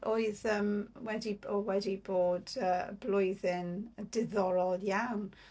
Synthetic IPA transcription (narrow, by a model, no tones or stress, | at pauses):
ʔoɨðəmwɛdiɔwɛdiboːdəːblʊɨðɪnəd̥ɪðɔɾɔlˠjawn